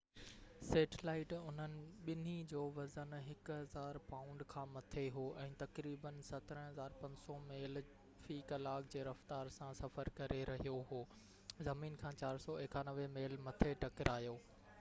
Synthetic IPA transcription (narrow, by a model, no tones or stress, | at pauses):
seːʈʰlaːɪʈʊn̤ənɪ̆ɓɪn̤id͡ʑoːʋɐzənɦɪkʊɦɐzaːɾpaːʊ̃ɳɖkʰãːmɐt̪ʰeɦoːʔɛ̃ːt̪ɐkɾiːbənsɐt̪ɾə̃ɦɐzaːɾpɐ̃ɲd͡ʑsɔmeːl | fiːkɐlaːkd͡ʑeːɾɐft̪aːɾsãsɐfəɾkɐɾʔeɾɐɦijoɦoː | zɐmiːnkʰãːt͡ɕaːɾsɔːɪkaːnɐʋemeːlmɐt̪ʰeʈɐkɪɾʔaːjoː